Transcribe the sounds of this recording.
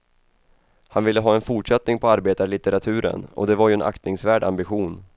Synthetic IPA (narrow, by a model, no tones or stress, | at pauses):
hanvɪlːəɦɑːɛnfʊʈʂɛt̪nɪŋpʰɔaɾbeːt̪aɾɭɪt̪əɾat̪ʰʉ̟ːɾə̰nɔ̰d̪ɛvaɾjɵɛnʔa̰kt̪nɪŋsvæːɖa̰mbɪɧuːn